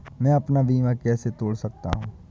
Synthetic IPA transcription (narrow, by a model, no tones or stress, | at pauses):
mɛ̃ːɐpnabiːʋakɛːset̪oːɽsɐk̚t̪a̰ɦũː